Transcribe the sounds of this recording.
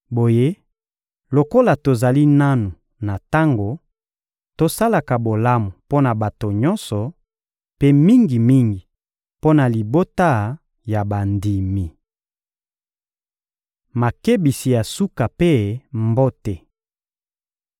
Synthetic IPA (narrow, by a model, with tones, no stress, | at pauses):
bo˨je˦ | lo˨ko˦la˨to˨za˨li˦na˦nu˨ | na˨ta˦ŋɡo˨ | to˦sa˦la˨ka˨bo˨la˦mu˨po˦na˨ba˨to˨ɲɔ̃˦nsɔ˨ | pe˦mi˦ŋɡi˨mi˦ŋɡi˨ | po˦na˨li˨bo˦ta˦ | ja˨ba˨ndi˨mi˨ | ma˨ke˦bi˨si˨ja˨su˦ka˨pe˦mbo˦te˨